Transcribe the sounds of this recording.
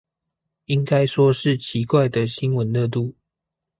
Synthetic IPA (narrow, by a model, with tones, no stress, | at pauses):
i˦ŋka˦ɪʂwɔ˦ʂɻ̩˥˨t͡ɕʰi˨˦kwa˥˨ɪd̪ə˨ɕi˦nwə˨˦nlə˥˧t̪̬u˥˩